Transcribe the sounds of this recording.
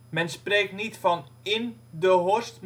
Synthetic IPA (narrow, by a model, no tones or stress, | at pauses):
mɛnspreːk̚tnitfɔn | ɪndəɦostm